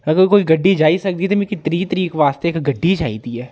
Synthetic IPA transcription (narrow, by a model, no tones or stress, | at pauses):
ɐɡəɾkoːiɡɐɖːid͡ʒaːisɐk̚d̪it̪ʰemekit̪əɾit̪əɾiːkʋaːst̪eːkɡɐɖːid͡ʒaːid̪iɦɛː